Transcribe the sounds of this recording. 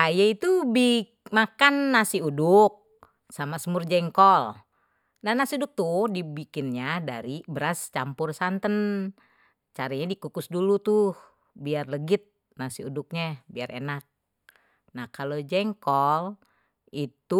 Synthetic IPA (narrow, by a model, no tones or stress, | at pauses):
ajait̪ubikmakanːasiudʊk̚ | samasəmʊrd͡ʒɛŋkɔl | nahnasiudʊk̚t̪uhdibikɪnɲada̰ɾibəɾast͡ʃampʊrsant̪ən | t͡ʃaɾaɲadikukʊsdulut̪uh | biarləɡɪt̪̚ | nasiudʊk̚ɲabiarʔḛnak̚ | nahkalod͡ʒɛŋkɔl | it̪u